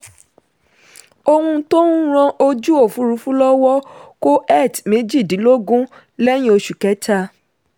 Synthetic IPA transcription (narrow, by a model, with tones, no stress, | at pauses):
o˧hũ˧˦to˦n˦ɾ̃ɔ̃˧ʔo˧d͡ʒu˦o˦˨fũ˨˦ɾu˨˦fũ˦lɔ˦wɔ˦ko˦ʔɛ˦˨tmẽ˨˦d͡ʒi˦˨dĩ˨˦lo˦ɡũ˦ | lɛ˦j̃ĩ˦o˧ʃu˨kɛ˨˦ta˧